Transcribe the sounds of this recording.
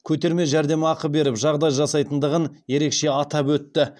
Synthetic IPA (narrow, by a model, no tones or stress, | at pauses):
kʲʰɵt̪e̞ɾme̞ʒæɾd̪e̞mɪɑqəp̚be̞ɾɪpʒɑʁd̪ɑjʒɑsɑjt̪ənd̪əʁənje̞ɾe̞kʃe̞ɑt̪ɑpwɵt̪ːɪ